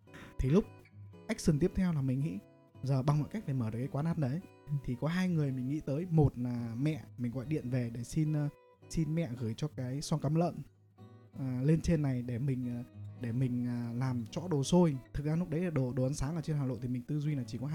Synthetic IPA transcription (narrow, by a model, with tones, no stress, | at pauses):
t̪ʰi˨˩lʊ˦˥k͡p̚ka˦˥k̟̚sɨ˨˧˩ŋt̪i˦˥əp̚t̪ʰɛ˧wlaː˨˩mï˨˩ŋ̟ŋḭ˧˥ | zəː˨˩ɓa˨˩ŋmɔ̰˧˨ka˦˥k̚ɗe˧˩məː˧˩ɨ˨˩ka˨˦kwaː˨˦naː˦˥t̚nə˨˦j | t̪ʰi˨˩kɔ˨˦ɦaː˧jŋɨ˨˩əjmï˨˩ŋ̟ŋḭ˧˥t̪əː˨˦jmo˨˩t̚aː˨˩mɛ̰˧˨mi˨˩ŋ̟ɣɔ̰˧˨jɗḭ˧˨ənve˨˩ɗe˧˩si˧nː˧ | si˧nmɛ̰˧˨ɣɨː˧˩jt͡ɕɔ˧kaː˨˦jswɔ˧kaə˨˦mlə̰ː˧˨n | əː˨˩le˧nt͡ɕe˧nːa˨˩jɗe˧˩mï˨˩ŋ̟ː˨˩ɗe˧˩mï˨˩ŋ̟ː˨˩laː˨˩mt͡ɕɔ̰˧˥ɗo˨˩so˧jt̪ʰɨ˨˩k̚za˧nʊ˦˥k͡p̚ɗə˨˦jɗe˧˩ɗo˨˩ɗo˨˩ʔə˨˦nsaː˨˦ŋʔəː˨˩t͡ɕe˧nha˨˩lo̰˧˨t̪i˨˩mï˨˩ŋ̟t̪ɨ˧zwi˧naː˨˩t͡ɕi˧˩kɔ˨˦˧